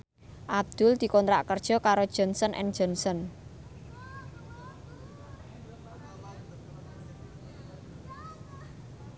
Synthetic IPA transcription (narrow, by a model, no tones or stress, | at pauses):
ʔab̚d̪̥ʊ̤ld̪̥i̤kɔnt̪ɾa̰ʔkərd̥ʒ̥ɔ̤kaɾod̥ʒ̥ɔ̤nsənʔɛ̰ŋd̥ʒ̥ɔ̤nsən